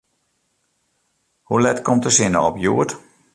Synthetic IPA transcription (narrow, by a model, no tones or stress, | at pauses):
hulɛtkʰɔmtəsɪnə̰ɔpjuət